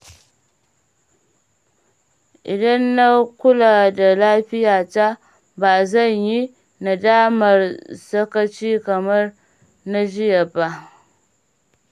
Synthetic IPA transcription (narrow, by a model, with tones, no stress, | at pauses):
ʔi˨dɐ˦nːa˦ku˦la˨da˨laː˦ɸɪ˦ja˨ta˦ | ba˨za˦˨ɲji˦ | na˨da˦ma˨ɾsɐ˦ka˦t͡ʃi˦kɐ˨mɐ˦ɾ | na˦ʒi˦ja˨ba˨